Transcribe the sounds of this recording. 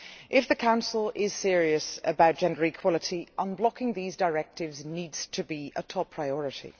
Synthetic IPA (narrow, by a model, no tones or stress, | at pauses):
ʔɪfðɨkʰãʊ̃nsl̩ˠɪz̥sɪəɹiəsəbaʊt̚d̥ʒɛ̃ndə˞ikʰw̥ɒlˠətʰiʔə̃nblɒkɪ̃ŋðiːzdəɹɛk̚tɪvzniːdz̥tʰɨbiʔətʰɔpʰɹ̥aɪɔɹɨtḭ